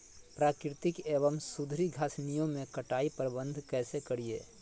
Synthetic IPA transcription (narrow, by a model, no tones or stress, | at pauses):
pɾaːkɾɪt̪ɪkeːbəmsʊd̪ʱɾiɡʱaːsnijõmẽkɐʈaːipəɾbə̃nd̪ʱkɛːsekɐɾiḛː